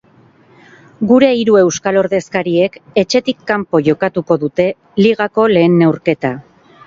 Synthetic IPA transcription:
ɡuɾe̞iɾue̞wskalo̞ɾðe̞skaɾie̞ke̞t͡ʃe̞t̪ikːampo̞ʝo̞kat̪uko̞ðut̪e̞ | liɣako̞le̞ːnːe̞wɾke̞t̪a

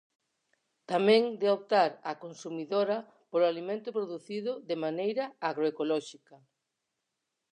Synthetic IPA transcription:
t̪amɛ̃ŋd̪eop̚t̪aɾakonsumiðoɾɐ | poloalimẽnt̪ʊpɾoðuθiðʊðemanejɾɐaɣɾoekolɔʃikɐ

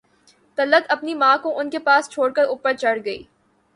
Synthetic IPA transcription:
t̪ɐlət̪ɐpnimãːkõʔʊnkepaːst͡ʃʰoːɽkəɾʊːpːəɾt͡ʃɐɽɡɐḭː

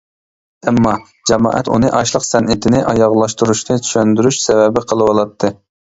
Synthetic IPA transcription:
ɛmːɑ | d͡ʒɛmɑ̰ːʔɛ̰t̪ṵnɨʔɑʃlˠəqsɛnɪt̪ʰɪnɪʔɑjɑʁlˠɑʃt̪uɾuʃnɨt͡ʃʰy̥ʃønd̪yɾyʃsɛvɛbɪqʰəlˠɨwɑlˠɑt̪ʰːɨ

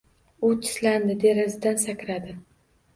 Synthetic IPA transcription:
ʊt̪ʰɪ̥sland̪ɪd̪eɾazɪd̪ansakʲɾad̪ɪ

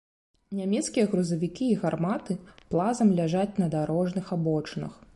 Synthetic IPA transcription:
nʲamʲɛt̪skʲijɐɣɾuzɐvʲikʲiːɣarmat̪ɨplˠazɐmlʲaʐat͡sʲnɐd̪aɾɔʐnɨxabɔt͡ʂnɐ̰x

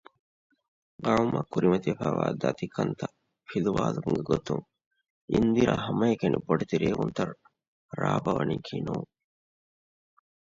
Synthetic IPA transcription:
ɡɐɻumːɐkuɾimɐt̪iɐfaːʋaːd̪ɐt̪ikʰɐnt̪ɐ | filuʋaːlukuŋɡeɡot̪uŋ | ind̪iɾa̰ɦɐmɐjekɐniboɖit̪iɾeːɡunt̪ɐɾ | ɾaːbɐʋɐniːkʰinuːŋ

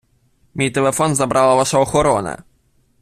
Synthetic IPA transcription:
mʲit̪ɛlɛfɔnzabɾʔawavaʂaɔxɔɾɔnɛ̰

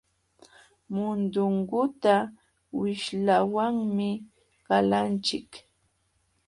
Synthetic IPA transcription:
mʊnd̪ʊŋɢʊt̪a | wɪʃlawaŋmɪ | kalant͡ʃɪk

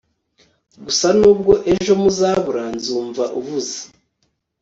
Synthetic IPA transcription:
ɡusanuːb̚ɡo̞ʔe̞ʒo̞muzaːβuɾaːnzuːɱvaʔuβuzḁ

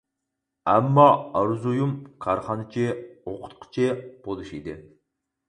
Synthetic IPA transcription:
ɛmːɑɑɾzujumkʰɑɾχɑnɨt͡ʃʰioqʰʊ̥t̪̚qʰə̥t͡ʃʰib̥olˠuʃid̪ɪ

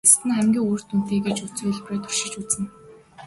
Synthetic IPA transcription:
st̪ɘ̆nχæmɡʲiːŋur̥t̪un̥t̪eːɡet͡ɕut͡suːɮpɾʊːt̪ʰʊrʃɪ̆t͡ɕut͡sɘ̆n

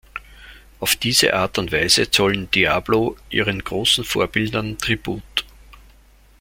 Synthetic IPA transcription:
ʔaʊfd̥iːzə̰ʔaːɐtʊntv̥æɪzət͡sɔlnd̥ia̰ːb̥loʔḭːʁənɡ̥ʁoːsn̩fo̰ːɐbɪldɐntʁ̥ib̥uːt

